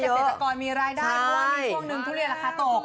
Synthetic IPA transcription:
jə˦e˦˨˥a˧kɔː˧nmiː˧ɾaː˧jdaː˩a˩˥˩ɔ˦waː˥˩mi˧˩u˥˩əŋnɯ˧ŋt̪ʰuː˥˩li˥˩nla˧kʰa˦˥˩t̪oː˨˩k̚

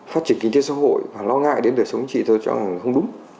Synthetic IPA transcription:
faː˦˥t̚t͡ɕi˧˩ənki˧ŋt̪e˨˦sa̰ː˧˥ho̰˧˨jvaː˨˩lɔ˧ŋa̰ː˧˨jɗe˨˦nɗəː˨˩jsə˨˦wŋ͡mt͡ɕḭ˧˨t̪ʰə˧˩t͡ɕɔ̰˧a˨˩˨xə˧wŋ͡mɗʊ˨˦ŋ͡m

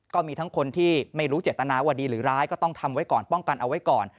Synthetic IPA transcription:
kɔː˥˩miː˧t̪ʰa˦˥ŋkʰo˧nt̪ʰiː˥˩ma˥˩jɾuː˦˥t͡ɕe˨˩t̪ːa˧naː˧waː˥˩diː˧ɾɯː˩˦ɾaː˦˥jkɔː˥˩t̪ɔ˥˩ŋt̪ʰa˧mwa˦˥jkɔː˨˩npɔ˥˩ŋka˧nʔa˧wa˦˥jkɔː˨˩n

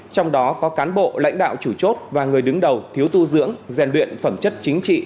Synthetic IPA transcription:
t͡ɕɔ˧wŋ͡mɗɔ˨˦kɔ˨˦kaː˨˦nɓo̰˧˨la̰˧˥jŋ̟ɗa̰ː˧˨wt͡ɕu˧˩t͡ɕo˦˥t̚vaː˨˩ŋɨ˨˩əjɗɨ˨˦ŋɗə˨˩wt̪ʰi˨˦əwt̪u˧zɨ̰˧˥əŋzɛ˨˩nlwḭ˧˨ənfə˧˩mt͡ɕə˦˥t̚t͡ɕï˨˦ŋ̟t͡ɕḭ˧˨

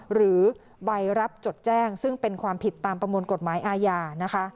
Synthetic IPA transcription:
ɾɯː˩˦ | wa˧jɾa˦˥p̚t͡ɕo˨˩t̪̚t͡ɕɛː˥˩ŋsɯ˥˩ŋpe˧nkʰwaː˧mpʰi˨˩t̪ːaː˧mpɾa˧mu˧nko˨˩t̪̚maː˩˦jʔaː˧jaː˧na˦˥kʰa˦˥ʔ

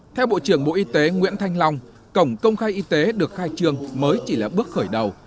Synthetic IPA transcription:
t̪ʰɛ˧wɓo̰˧˨t͡ɕɨ˧˩əŋɓo̰˧˨ʔi˧t̪e˨˦ŋwḭ˧˥ənt̪ʰa˧jŋ̟la˧wŋ͡m | kə˧˩wŋ͡mkə˧wŋ͡mxaː˧jʔi˧t̪e˨˦ɗɨ˨˩ək̚xaː˧jt͡ɕɨ˧əŋməː˨˦jt͡ɕi˧˩laː˨˩ɓɨ˦˥ək̚xəː˧˩jɗə˨˩w

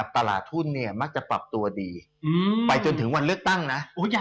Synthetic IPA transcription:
a˨˩p̚t̪a˧la̰ː˨˩t̪ʰːu˥˩nːi˥˩ɐma˦˥k̚t͡ɕa˨˩pɾa˨˩p̚t̪u˧ɐdiː˧ | ɯː˧pa˧jt͡ɕo˧nt̪ʰɯ˩˦ŋwa˧nlɯ˥˩ək̚t̪a˥˩ŋna˦˥ʔʔoː˧˥˩

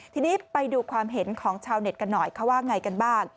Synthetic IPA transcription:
t̪ʰiː˧niː˦˥pa˧jduː˧kʰwaː˧mɦe˩˦nkʰɔː˩˦ŋt͡ɕʰaː˧wne˨˩t̪̚ka˧nːɔ˨˩jkʰa˦˥waː˥˩ŋːa˧jka˧nbaː˥˩ŋ

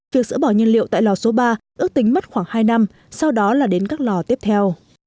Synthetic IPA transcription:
vi˨˩ək̚zɨ̰˧˥ɓɔ˧˩ɲə˧nlḭ˧˨əwt̪a̰ː˧˨jlɔ˨˩so˨˦ɓaː˧ʔɨ˦˥ək̚t̪ï˨˦ŋ̟ma˦˥t̚xwaː˧˩ŋhaː˧jna˧m | sa˧wɗɔ˨˦laː˨˩ɗe˨˦nkaː˦˥k̚lɔ˨˩t̪i˦˥əp̚t̪ʰɛ˧w

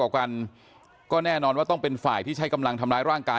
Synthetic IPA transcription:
ɔː˨˩p̚ka˧n | kɔː˥˩nɛː˥˩nɔː˧nwaː˥˩ɔ˥˩ŋpe˧nfaː˨˩jt̪ʰiː˥˩t͡ɕʰa˦˥jka˧mla˧ŋt̪ʰa˧mlaː˧˥jɾaː˥˩ŋkaː˧

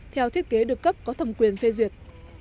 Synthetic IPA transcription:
t̪ʰɛ˧wt̪ʰi˦˥ət̚ke˨˦ɗɨ˨˩əkːə˦˥p̚kɔ˨˦t̪ʰə˧˩wŋ͡mkwi˨˩ənfe˧zwi˨˩ət̚

